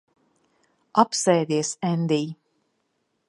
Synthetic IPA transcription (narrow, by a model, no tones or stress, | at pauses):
apsɛːd̪ʲiɛsɛnd̪iː